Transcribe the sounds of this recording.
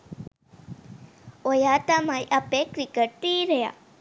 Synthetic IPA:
ojat̪amajʔapekɾikəʈ̚t̪iɾəja̰

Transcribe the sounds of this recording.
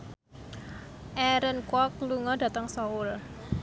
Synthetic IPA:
ʔɛɾənkwɔkluŋɔda̤t̪əŋsɔʊl

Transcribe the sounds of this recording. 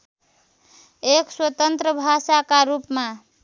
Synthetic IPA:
ekswət̪ənt̪ɾəbʱasakaɾupma

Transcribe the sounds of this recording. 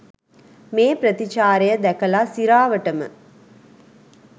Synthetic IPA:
meːpɾɐt̪it͡ʃaːɾɐjɐd̪ɛkɐlasiɾaːʋəʈɐmɨ̰

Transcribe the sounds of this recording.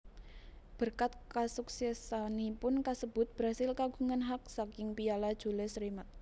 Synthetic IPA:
b̥ərkat̪̚kasuksɛsanipʊnkasəbʊt̪̚b̥ɾasɪlkaɡuŋanɦak̚sakɪŋpialad̥ʒ̥ṳlesɾimat̪̚

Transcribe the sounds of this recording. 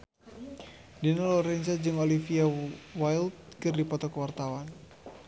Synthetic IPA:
dinalɔɾɛnsad͡ʒɨŋɔlifiawajld̪̚kɨrdipɔt̪ɔkəwart̪awan

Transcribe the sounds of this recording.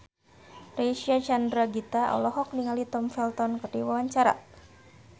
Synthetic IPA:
reʃiat͡ʃandɾaɡit̪aɔ̰lɔɦɔk̚niŋalit̪ɔmfɛlt̪ɔnkərdiwawaɲt͡ʃaɾa̰

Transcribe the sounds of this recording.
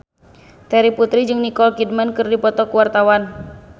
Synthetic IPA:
t̪ɛɾiput̪ɾid͡ʒɨŋnikɔlkid̚mankɨrdipɔt̪ɔkuwart̪awan

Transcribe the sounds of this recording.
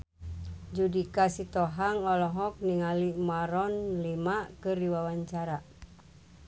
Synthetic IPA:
d͡ʒudikasit̪ɔɦaŋɔlɔɦɔk̚niŋalimaɾɔnlimakɨrdiwawaɲt͡ʃaɾa

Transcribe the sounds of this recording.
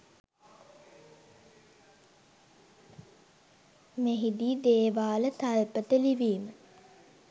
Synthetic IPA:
meɦid̪iːd̪eːʋaːlət̪alpət̪əliʋiːmə

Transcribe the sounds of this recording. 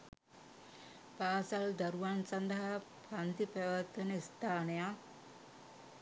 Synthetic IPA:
paːsɐld̪ɐɾuʋansɐnd̪ɐɦa | pʰɐnt̪ipæʋat̪ʋenəist̪aːneja

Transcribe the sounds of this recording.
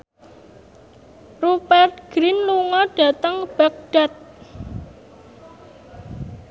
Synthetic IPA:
rupɛrt̪̚ɡ̥ɾinluŋɔɖ̥ä̤t̪əŋb̥ak̚ɖ̥at̪̚

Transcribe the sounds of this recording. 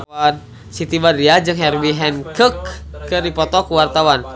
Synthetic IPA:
an | sit̪ibadiad͡ʒɨŋɦɛrbiɦɛnkəkːəɾipɔt̪ɔkuwart̪awan

